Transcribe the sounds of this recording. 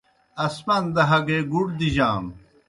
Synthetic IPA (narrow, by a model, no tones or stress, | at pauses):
ɐsmɐnd̪ɐɦɐɡeːɡuɽd̪iʑaːm